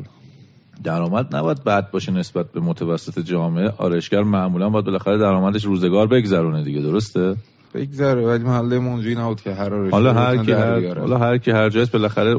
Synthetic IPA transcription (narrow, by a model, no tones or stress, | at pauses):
d̪̥æɾɒːmæd̪næ̰bɒːjæd̪̚bæd̪̚bɒːʃene̞sbæt̪̚be̞mot̪ʰævæsːe̞t̪ʰed͡ʒɒːmeʔeʔɒ̰ːɾeʃɡæɾmæmuːlænmbɒjæd̪be̞læxæɾed̪æɾɒːmæd̪eʃ̬ɾuːzeɡɒːɾbe̞ɡzæɾuːned̪iɟed̪oɾost̪e | b̥eɡzæɾevælimæhælːejemɔond͡ʒujinæbuːd̪̚kʰeɦæɾɒːɾehɒlɒɦæɾʰiææɾɒ̰lɒɦæɾcʰihæɾd͡ʒɒːjist̪be̞læxæɾe